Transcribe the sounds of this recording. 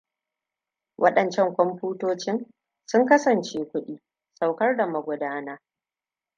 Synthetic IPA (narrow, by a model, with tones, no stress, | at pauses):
wʔɐ˦ɗɐ˨nt͡ʃɛ˦˨ŋkʷɔ˦mɸuː˦toː˦t͡ʃɪ˦n | sʊ˦ŋkɐ˦sɐ˨nt͡ʃeː˦kʷʊ˦ɗiː˦ | sa˨wkɐ˦rda˨mɐ˨ɡʷʊ˨daː˦na˦